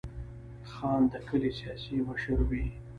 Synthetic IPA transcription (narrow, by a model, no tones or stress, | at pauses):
xɑːnd̪əkəlisjɑsimaʃuɾwi